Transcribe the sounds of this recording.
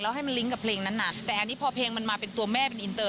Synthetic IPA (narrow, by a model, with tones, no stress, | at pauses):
lɛː˦˥ɦa˥˩jma˧nli˦˥ŋka˨˩pʰleː˧ŋna˦˥nːa˧˩t̪ɛː˨˩ʔa˧ni˦˥pʰɔː˧pʰeː˧ŋma˧nmaː˧pe˧nt̪u˧ɐmɛː˥˩pe˧nʔi˧nt̪ɤː˧˩